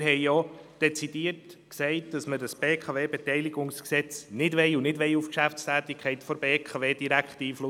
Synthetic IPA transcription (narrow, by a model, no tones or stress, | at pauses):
ɾɦɛɪjɔd̥ɛt͡sid̥iətksɛɪt̚d̥ɑsmədəsb̥eːkʰɑveːbɛtɛɪliɡʊŋsksɛt͡snɪdʋɛɪunɪdʋɛjufkʃæft͡stæːt̪ɪkʰɛɪtfɔɾbeːkʰɑveːd̥iɾækχtiːflʊ